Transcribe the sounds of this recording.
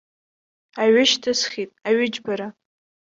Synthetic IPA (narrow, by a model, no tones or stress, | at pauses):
aɥɪʃtʰɨsχʲitʼaɥɪd͡ʒbaɾa